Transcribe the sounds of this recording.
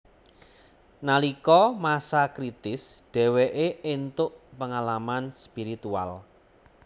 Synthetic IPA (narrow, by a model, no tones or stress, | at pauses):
nalikɔmasakɾit̪ɪsɖ̥ɛ̤weʔeent̪ʊʔpəŋalamanspiɾit̪ua̰l